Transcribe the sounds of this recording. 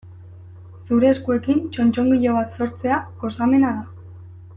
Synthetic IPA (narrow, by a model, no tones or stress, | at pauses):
suɾe̞ːskue̞kint͡ʃo̞nt͡ʃo̞ŋɡiʎo̞βat̪so̞ɾt͡se̞ako̞same̞naða